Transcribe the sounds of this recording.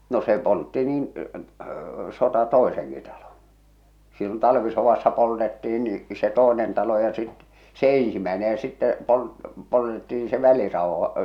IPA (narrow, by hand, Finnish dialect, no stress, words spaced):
no se poltːi niːn sotɑ toˑeseŋki tɑlon̞ silːon tɑlʋisoʋɑsːɑ poltetːih̞in ni se toˑenen tɑlo jɑ sit se ẽːsimæene jɑ sitːɛ pol poltetːiːn se ʋælirɑˑohɑ̥